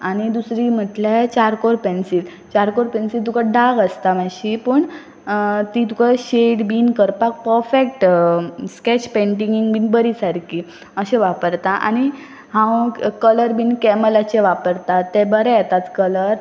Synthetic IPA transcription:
aɽ̃id̪usɾim̤əʈlat͡ɕaɾkoɾpensiːl | t͡ɕaɾkoɾpensilt̪ukaɖaɡəst̪amãɕipəɳ | t̪it̪ukaɕeɽbiːnkəɾpak̚pəɾfek̚ʈsket͡ɕpẽɳʈ̬iŋɡiŋɡbinbəɾisaɾki | əɕẽʋapəɾt̪aʔa̰ñi | hãwkələɾbiːnkɛməlat͡ɕeʋapəɾt̪at̪ːebəɾɛjɛt̪at͡skələɾ

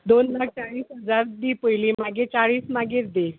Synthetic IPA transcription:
d̪onlak̚t͡saɭiːsɦəd͡zaɾd̪iːpəjlimaɡet͡saɭiːsmaɡeɾd̪e

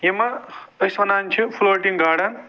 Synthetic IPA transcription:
jemaɐsmɐnant͡ʃʰupʰuloɾʈiŋɡaːɽɐn

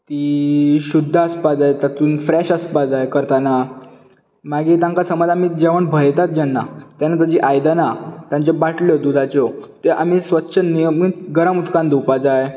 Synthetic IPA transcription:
t̪iːɕud̪ʱːəəspad͡zajt̪at̪uːnfɾɛɕəspad͡zajkəɾt̪ana | maɡit̪ãŋkasəməd͡zamiːd͡ʑeʋəɳbʱəjt̪at̪̚d͡ʑanːat̪janat̪ad͡ʑiʔajd̪anat̪jãɲt͡ɕɔbaʈljɔd̪ud̪ʱat͡ɕɔt̪eʔam̤isʋətːɕʰənːijəmiɡəɾəmut̪kãnd̪upad͡zaj

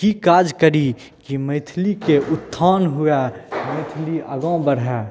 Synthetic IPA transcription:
kikaːd͡ʒkəɾi | kiməɪt̪ʰlikeʔʊt̪ʰːaːnɦʊjaməɪt̪ʰliɐɡõbəɾɦɛː

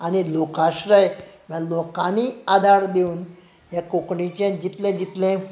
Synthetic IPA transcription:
anilokaʃɾəjmãlokãniad̪ʱaɾd̪euːn | jekokɳit͡ɕẽd͡ʒit̪lẽd͡ʑit̪lẽ

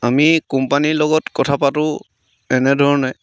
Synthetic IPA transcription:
amikɔmpanilɔɡɔtkɔtʰapatʊ̃ | ɛnɛdʱɔɹnaj

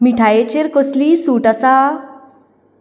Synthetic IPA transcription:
miʈʰajet͡ɕeɾkɔsliːsuːʈasa

